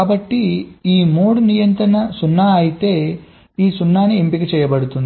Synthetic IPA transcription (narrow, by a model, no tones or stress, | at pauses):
aːbɐʈːiiːmoːɽnijɐnt̪ɾɐnɐsunːaaːjit̪eː | iːsunːaːneempiket͡ʃɛjɐbɐɽut̪ːund̪